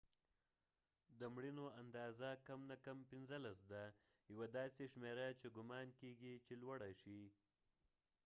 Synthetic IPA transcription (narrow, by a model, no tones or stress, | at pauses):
d̪əmɽinoand̪ɑːzakamnakampɪnzəlasd̪a | jawad̪ɑseʃmeɾat͡ʃeɡʊmɑnkeɡit͡ʃelwaɽaʃi